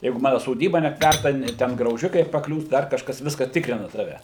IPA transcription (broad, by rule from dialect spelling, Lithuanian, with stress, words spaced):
ˈjɛɪɡʊ ˈmɑːnʊ soːˈdʲiːbɐ nʲɛpʲˈtʲʋʲærtɐ ˈtʲɛn ɡrɐʊˈʒʲɪkɐɪ pɐˈklʲuːs ˈdɐr kɐʃˈkɐs ˈʋʲɪskɐ ˈtʲɪkrʲɪnɐ ˈtɑːʋʲɛ